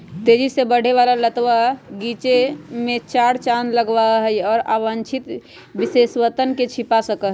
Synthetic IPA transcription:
t̪ed͡ʒisebəɽ̤eʋalalət̪ʋaɡit͡ʃemet͡ʃaɽt͡ʃanləɡʋaɦəjɔːɾaʋənt͡ʃʰit̪ | biseswət̪ənket͡ʃʰipasəkəɦ

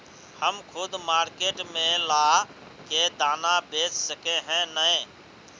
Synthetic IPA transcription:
həmkʰʊd̪maːɾkeːʈmẽla | ked̪aːnabeːt͡ʃsəkeɦɛ̃nəe

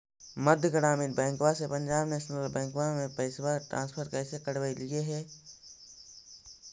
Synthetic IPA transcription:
məd̪ʱjəɡəɽaːminbɛ̃ːŋkwasepə̃ɲd͡ʒaːbneːʃnəlbɛ̃ːŋkwamẽpɛɪswaʈɾʔã̰ːnspʰəɾkɛːsekəɽwailieɦɛː

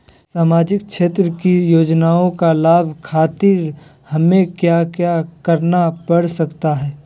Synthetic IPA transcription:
saːmaːd͡ʒɪk̚ʃeːt̪ɾəkijoːd͡ʒnaːõkalaːbʱkʰaːt̪ɪɾ | hɐmẽkjakjakɐɾnapɐɽsɐkt̪aɦɛː

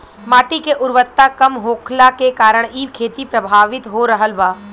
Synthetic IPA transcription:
maːʈikeʔʊɾʋət̪ːakɐmɦoːkʰlakekaːɾəɽ̃iːʋkʰeːt̪ipɾɐbʱaːʋɪt̪ɦoɾəɦəlʋaː

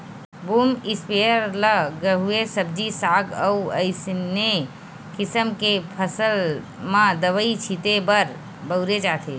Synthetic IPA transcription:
buːmɪspeəɾləɡəɦuesəb̚d͡ʒisaːɡəuəɪsne | kɪsəmkepʰəsəl | mãd̪əʋəit͡ʃʰit̪ebəɾ | bəʊɾed͡ʒaːt̪ʰe

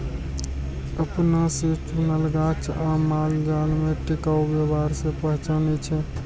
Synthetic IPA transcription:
əpnaset͡ʃunəlɡat͡ʃʰamald͡ʒalmeʈekaubebaɾsẽpəɦt͡ʃanɛt͡ʃʰɛ

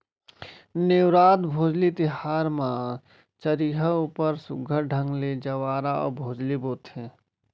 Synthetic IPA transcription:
newɾaːt̪bʱoːd͡ʒlit̪ɪɦaːɾmã | t͡ʃəɾiɦəupəɾsʊɡʱəɾɖʱə̃ŋɡled͡ʒəwaːɾaɔ̰ːɾbʱoːd͡ʒliboːt̪ɦɛ̃ː

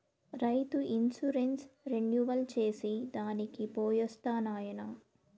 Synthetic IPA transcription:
ɾɐjt̪uʔinsuɾensɾeɳɖjuʋɐlt͡ʃe̞ːsid̪aːnikipoːjɔst̪aːnaːjɐnɐ

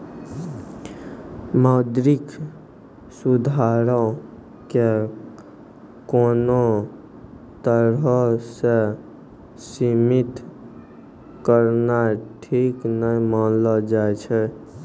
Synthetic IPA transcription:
məd̪ɾik | sud̪ʱaɾɔ̃ | ke | kono | t̪əɾɦəse | simit̪ | kəɾnaʈʰiknəjmənləd͡ʒajt͡ʃʰɛ

